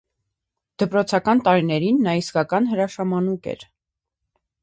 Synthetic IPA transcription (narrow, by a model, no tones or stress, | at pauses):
d̪̥əpɾɔt͡sʰɑkɑnt̪ɑɾinɛɾinːɑiskɑkɑnɦəɾɑʃɑmɑnukɛ̰ɾ